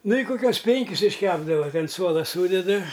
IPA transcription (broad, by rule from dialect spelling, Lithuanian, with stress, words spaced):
ˈnʊ ɪ koːˈkʲuɔs ˈpʲɛŋʲkʲɪs ɪʃʲˈkʲæːbdɐʋɐ tʲɪ ɐn ˈsuɔlˠɐ ˈsuːdʲɛdɨ